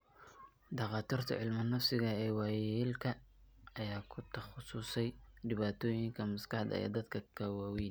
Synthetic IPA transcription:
d̪ɑqɑːt̪ʰiːrt̪ʰɐ̰ʕɪlmɐnɐfsɪɣɐɛːwɑːjiːlkʰɐɐjaːkʰʊt̪ʰɐχʊsuːsɛjɖɪβaːt̪ʰɔːjɪŋkʰɐmɐskɑħd̪ɐ̰ɛ̰ːd̪ɐd̪kʰɐkʰɐwɑwin

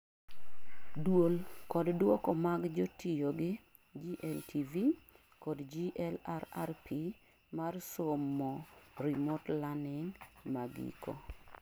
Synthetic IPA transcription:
dwolkɔddwɔkɔmaɡd͡ʒotʰijoɡɪ | d͡ʒiʔɛltʰivi | kɔdd͡ʒiʔɛlaɾa̰rpʰi | marsomːɔɾimotlanɪŋmaɡḭkɔ̰

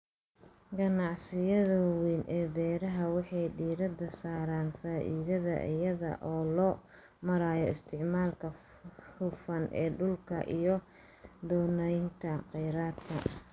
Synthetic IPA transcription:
ɡɐnɑʕsɪjɐðɐwiːnʔɛːbɛːɾɐɦɐwɑħɑjɖiːɾɐd̪ɐsaːɾaːnfaːʔiːðɐðɐ̰ʔɪ̰jɐðɐ̰ʔɔːlɔː | mɐɾaːjɔɪst̪ʰɪʕmaːlkʰɐ | ħʊfɐnʔɛːɖʊlkʰɐʔijɔ | d̪ɔːnɛjnt̪ʰɐqɛjɾaːd̪kʰɐ̰

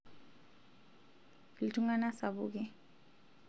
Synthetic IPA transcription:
lituŋanasaβukɛ

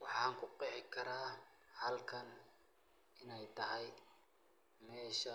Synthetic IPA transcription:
wɑħɑːŋkʰʊqɛːħɪkʰɐɾaː | hɐlkʰɐn | ɪnɛjt̪ʰɐɦɛj | mɛːʃɐ

